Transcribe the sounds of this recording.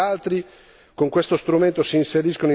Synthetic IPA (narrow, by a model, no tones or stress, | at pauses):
alt̪ɾi | koŋkwest̪ost̪ɾument̪osiːnseɾiskonoi